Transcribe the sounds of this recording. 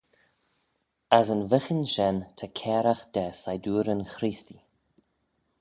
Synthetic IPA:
asənvɪxənʃɛnt̪ʰəkʰɛːɾaxd̪̥ɛsajduːɾənxɾisti

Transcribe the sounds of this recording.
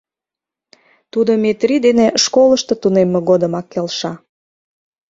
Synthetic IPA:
t̪ud̪omet̪rid̪eneʃkoləʃt̪ɤ̆t̪unemːeɣod̪əmɑkːelʃɑ

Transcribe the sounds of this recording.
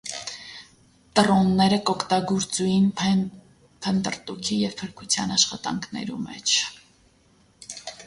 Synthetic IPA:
t̪ərɔnːɛɾəkɔkʰt̪ɑɡuɾt͡sujin | pʰənt̪əɾt̪ukʰijɛv̥pʰəɾkʰut͡sʰjɑ̰nɑʃχɑt̪ɑ̰ŋkʰnɛ̰ɾṵmɛ̰t͡ʃʰ

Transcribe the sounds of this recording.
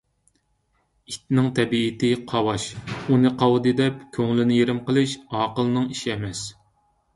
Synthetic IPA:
it̪nɪŋt̪ʰɛbiːt̪ɪqʰɑwɑʃunɨqʰɑwd̪ɨd̪ɛp̚kʲʰøŋlɪnɪjeɾɪmqəlˠɨʃɑːqəlˠnɨŋiʃiɛmɛs

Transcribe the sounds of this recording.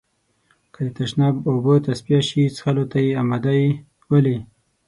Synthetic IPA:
kəd̪ət̪aʃnɑbobət̪aspijaʃit͡sxalot̪ajeamad̪aji | wali

